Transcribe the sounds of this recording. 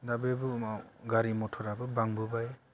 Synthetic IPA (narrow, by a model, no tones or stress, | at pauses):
dabebumawɡaɾimɔtʰɔɾabɯbaŋbubaj